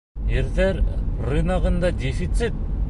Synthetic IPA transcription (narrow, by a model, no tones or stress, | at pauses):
jɘɾðæɾrɨnɑʁɤ̆nd̪ɑdʲefit̪sɨt̪̚